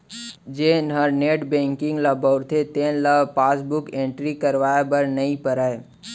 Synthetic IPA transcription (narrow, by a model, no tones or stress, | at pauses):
d͡ʒeːnɦəɾneːʈbẽːŋkɪ̃ŋɡlabɔʊɾt̪ʰet̪ẽːnlapaːsbʊkẽːɳʈɾikɐɾʋaːjabɐɾnɐĩpəɾaːe